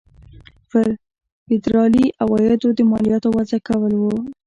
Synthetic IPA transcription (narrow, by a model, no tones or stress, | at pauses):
pəɾ | fɪd̪ɾɑliʔawɑjad̪od̪əmɑlijɑt̪owazakawəlwo